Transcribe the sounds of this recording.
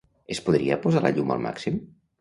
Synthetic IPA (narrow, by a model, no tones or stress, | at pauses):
espuðɾiapozalaʎuma̰lˠmʔa̰ksim